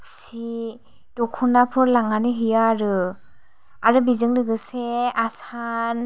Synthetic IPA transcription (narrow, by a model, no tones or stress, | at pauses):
si | d̥ɔkʰunapʰɯɾlaŋaniɦɯjaːɾɯ | aɾɯbizɯŋdɯɡɯseasan